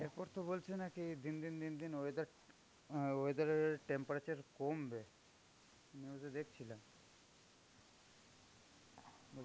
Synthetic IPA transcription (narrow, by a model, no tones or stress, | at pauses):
eɾpɔɾt̪obolt͡ɕʰenakid̪ind̪ind̪ind̪inoed̪aɾ | oed̪aɾʈempaɾat͡ɕaɾkombe | aniozed̪ekʰt͡ɕʰilam | bol